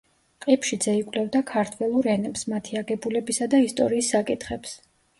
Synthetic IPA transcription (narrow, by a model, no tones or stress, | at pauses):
qʼipʰʃid̪zɛikʼlɛvd̪akʰaɾt̪ʰwɛlˠuɾɛnɛpsmat̪ʰiaɡɛbulɛbisad̪aist̪ʼɔ̰ɾiːsːakʼit̪ʰχɛps